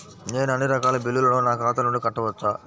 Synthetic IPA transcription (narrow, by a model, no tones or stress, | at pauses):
neːnɐnːiɾɐkaːlɐbilːulɐnoːnaːkaːt̪̬ɐnuɳɖikɐʈːɐʋɐt͡ʃːaː